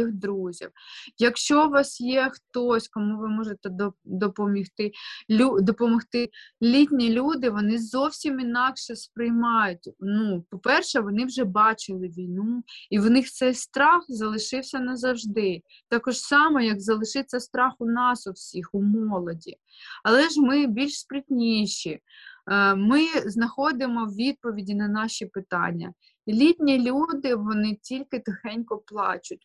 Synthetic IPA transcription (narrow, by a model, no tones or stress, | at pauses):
ixd̪ɾuzʲḭwjɐkʃt͡ʃɔʋɑsjɛxt̪ɔsʲkɔmuʋɪmɔʒet̪ɛd̪d̪ɔpɔmʲixt̪ɪlʲud̪ɔpɔmɔxt̪ɪlʲitʲnʲilʲud̪ɪʋɔnɪzɔwsʲiminɑkʃɛspɾɪjmɑjʊtʲnupɔpɛrʃɛʋɔnɪwʒɛbɑt͡ʃɪlˠɪʋʲijnuiʋɔnɪxt̪sɛjst̪ɾɑxzɐlˠɪʃɪwsʲɐnɐzɐwʒd̪ɪ | t̪ɑkɔʒsɑmɔjɐkzɐlˠɪʃɪt͡sʲːɐst̪ɾɑxʊnɑsʊwsʲixʊmɔlˠɔdʲi | ɐlˠɛʒmɪbʲilʲʃspɾɪtʲnʲiʃi | mɪznɐxɔd̪ɪmɔwʋʲid̪̚pɔʋʲidʲinɐnɑʃipɪt̪ɑ̰nʲːɐ̰ | lʲit̪ʲnʲilʲud̪ɪʋɔnɪtʲilʲkɪt̪ʊxɛnʲkɔplˠɑ̰t͡ʃʊt̚ʲ